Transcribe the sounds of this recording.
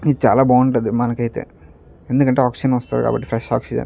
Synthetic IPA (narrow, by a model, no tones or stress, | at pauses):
iðt͡ʃa̰ːlaːbaːɳɖɐðɨmɐnɐkːɐjt̪ːḛ | end̪ɨkɐɳʈeaːksɪd͡ʒɐnʋɐst̪ɐːðɨka̰ːbɐ̰ʈːi̥fɾɐʂa̰ːksid͡ʒɐ̰n